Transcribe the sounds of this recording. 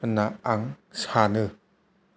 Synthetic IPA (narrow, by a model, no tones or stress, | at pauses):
anːaʔaŋsaːnɯ